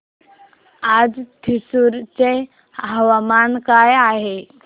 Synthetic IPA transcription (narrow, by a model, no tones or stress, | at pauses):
ad͡zt̪ʰisuɾt͡ɕe | ɦəʋamankajaɦe